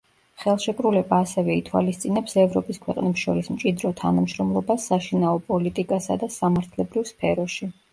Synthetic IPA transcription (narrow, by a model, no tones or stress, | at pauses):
χɛlˠʃɛkʼɾulɛbaːsɛvɛit̪ʰwa̰list̪sʼinɛpsɛvɾɔpʼiskʰwɛqʼnɛpsʃɔɾismt͡ʃʼid̪ɾɔt̪ʰanamʃɾɔmlˠɔbasːaʃinaɔpʼɔlit̪ʼikʼasa̰d̪asamaɾt̪ʰlɛbɾivspʰɛɾɔʃi